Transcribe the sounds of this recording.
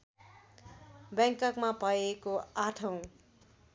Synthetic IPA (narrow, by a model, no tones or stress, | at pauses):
bjʌŋkʌkmapʌjekoaʈʰʌw̃